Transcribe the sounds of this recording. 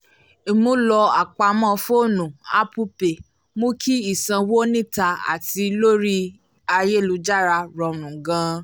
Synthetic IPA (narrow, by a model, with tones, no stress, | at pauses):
e˨mũ˦lɔ˧a˨k͡pa˧mɔ̃˦˨˧fo˦˨nũ˨a̰˦pu˦pe˨ | mũ˦kʰi˦i˦˨sã˧wo˦nĩ˦˨ta˧a̰˨ti˧lo˦ɾi˦ | a˧je˦˨lu˧d͡ʒa˦˨ɾa˧ɾɔ˧ɾ̃ũ˨ɡã˧˦